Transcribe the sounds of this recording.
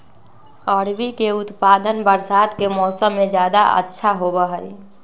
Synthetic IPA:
ɔːɾbʱikeʊt̪paːd̪ənbəɾsaːd̪kemɔːsəmːẽd͡ʒjaːd̪a̰ə̰tːʃʰaɦobəɦəi

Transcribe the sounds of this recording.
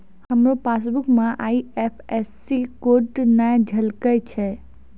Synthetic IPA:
həmɾopasbukmãʔaiepʰesːikoʈnajd͡ʒʱəlkəjt͡ʃʰɛ

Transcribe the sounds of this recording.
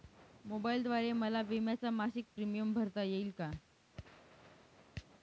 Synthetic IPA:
mobaild̪ʋaɾeməlaʋimjat͡samaɕik̚pɾimijəmbʱəɾt̪ajeiːlka

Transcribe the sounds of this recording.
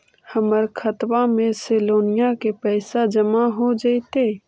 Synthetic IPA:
həməɾkʰət̪wamẽsɪloːnɪjakepɛːsad͡ʒəmaɦod͡ʒait̪eː

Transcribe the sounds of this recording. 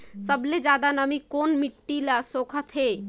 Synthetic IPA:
səbled͡ʒad̪anəmikonmiʈːilasokʰət̪ɦe

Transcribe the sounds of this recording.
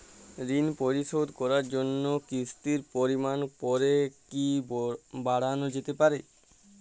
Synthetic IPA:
ɾinpoɾiʃod̪kɔɾaɾd͡ʑonːokɾist̪iɾpoɾimanpɔɾeki | baɽanod͡ʑet̪epaɾe

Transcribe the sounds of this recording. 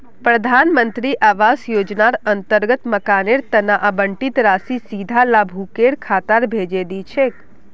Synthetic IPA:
pɾəd̪ʱanmənt̪ɾiʔaʋasjod͡ʒnaɾənt̪əɾɡət̪məkaneɾt̪ənaʔabəɳʈit̪ɾasisid̪ʱalabʱukeɽkʰat̪aɾbʱed͡ʒed̪it͡ʃʰe

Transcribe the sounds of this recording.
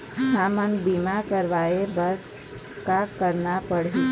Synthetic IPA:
saːmənbiːmakəɾʋaːebəɾd | kakəɾnapəɽ̤e

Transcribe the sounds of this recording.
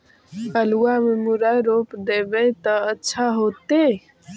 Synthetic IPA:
əluwamemuɾajɾopd̪ebɛt̪əətːʃʰaɦot̪e

